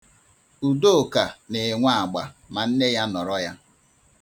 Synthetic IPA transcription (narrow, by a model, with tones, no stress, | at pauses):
u˨do˦o˨ka˨ne˨ŋʷa˦a˨ɡ͡ba̰˨ma˨n̩˦ne˦ja˦nɔ˨ɾɔ˦ja˦